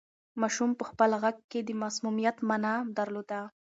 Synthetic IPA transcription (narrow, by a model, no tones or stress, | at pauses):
mɑʃumpəxpəlɣaɡ̚ked̪əmasmumijat̪manad̪aɾlod̪a